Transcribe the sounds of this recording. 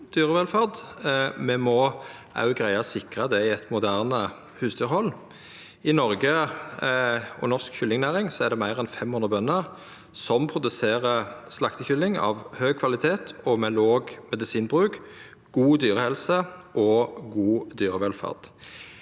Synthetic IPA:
d̪̥yːʁəʋɛlfɑʁd̪mɛmɔ | ʔɑ̰ʉɡʁæɪɑsɪkʁəd̪ɛɪɛt̪mʊd̪æːʁnə | hʉːsd̪yːʁhɔlː | ɪnɔʁɡə | ɔ̰nɔʁskçʏlːɪŋnæːʁɪŋsɔæʁd̪ɛmæɪʁɛnfɛmhʉnʁəbœnːəʁ | sɔmpʰʁʊd̪ʉseːʁəslɑkt̪əçʏlːɪŋɑ̰ʋhøːɡ̚kʰʋɑlɪt̪ʰeːt̪ʰɔmɛloːɡmɛd̪ɪsiːnbʁʉːk | ɡ̥uːd̪yːʁəhɛlsəʔɔɡuːd̪yːʁəʋɛlfɑ̰ʁd̪̥

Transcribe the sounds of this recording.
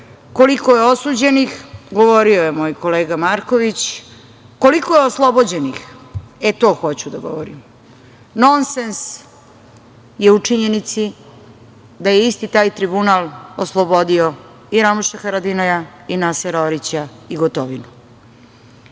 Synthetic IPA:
ko̞likojeo̞suːd͡ʑe̞nixɡo̞ʋo̞ɾiojemo̞ːjko̞leːɡamaɾkoʋit͡ɕ | ko̞likojeoslˠo̞bod͡ʑe̞nixet̪o̞ːxo̞t͡ɕud̪aɡo̞̰ʋoɾḭm | no̞nsens | je̞ut͡ʂiɲe̞nit̪si | d̪ajeist̪it̪aːjt̪ɾibunaːlˠoslˠobo̞d̪io̞ | iɾamuʃaxaɾad̪inojainaseɾoɾit͡ɕaiɡot̪oʋinu

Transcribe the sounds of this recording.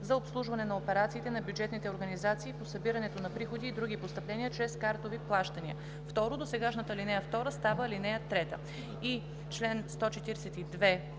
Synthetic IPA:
zɐopslˠuʒvɐnɛnɐopɛɾat̪siːt̪ɛnɐbjud͡ʒɛt̪nit̪ɛoɾɡɐnizat̪siːposɐbiɾɐnɛt̪onɐpɾixod̪iːd̪ɾuɡ̟ipost̪ɐplɛniət͡ʃɾɛskaɾt̪oviplˠaʃt̪ɐniə | ft̪ɔɾod̪osɛɡaʃnət̪əlinɛjəft̪ɔɾəst̪avəlinɛjət̪ɾɛt̪ə | i | t͡ʃlɛnst̪ɔt͡ʃɛt̪iɾɛsɛt̪id̪vɛ

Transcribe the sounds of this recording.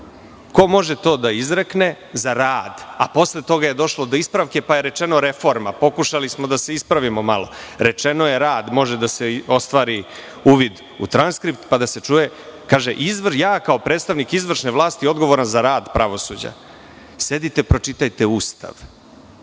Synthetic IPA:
ko̞mo̞ʒet̪o̞ːd̪aizɾekne | zaɾaːd̪apo̞slet̪o̞ɡaje̞d̪o̞ʃlˠod̪o̞ispɾaʋke̞paje̞ɾet͡ʃe̞no̞ɾe̞fo̞ɾma̰po̞kuʃalismo̞d̪ase̞ispɾaʋimo̞malo̞̰ɾet͡ʃe̞noje̞ɾaːd̪mo̞ʒed̪aseo̞st̪ʋaːɾi | uːʋid̪ | ṵt̪ɾanskɾipt̪pad̪ase̞t͡ʃuːje | kaːʒeʔizʋrjaːkao̞pɾeːt̪st̪aʋnikizʋr̩ʃneʋlˠaːst̪io̞d̪ɡo̞ʋo̞ɾanzaɾaːd̪pɾaʋo̞sud͡ʑa̰ | se̞d̪it̪e̞pɾo̞t͡ʃit̪ajt̪e̞uːst̪a̰ʋ

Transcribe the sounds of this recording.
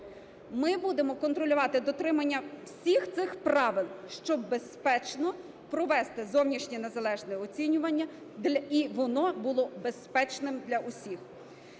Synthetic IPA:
mɪbud̪emɔkɔnt̪ɾɔlʲʊʋɑt̪ɪd̪ɔt̪ɾɪmɐnʲːɐwsʲixt̪sɪxpɾɑʋɪlˠʃt͡ʃɔbbe̞spɛt͡ʃnɔ | pɾɔʋɛst̪ɪzɔwnʲiʃnʲine̞zɐlˠɛʒnɔjɛɔt͡sʲinʲʊʋɐnʲːɐ | d̪ʲiʋɔnɔbʊlˠɔbespɛt͡ʃnɪmd̪lʲɐʔʊsʲix

